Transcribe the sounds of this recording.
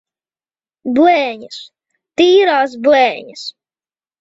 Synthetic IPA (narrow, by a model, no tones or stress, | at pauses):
blɛːɲas | t̪iːɾaːs̬blɛːɲas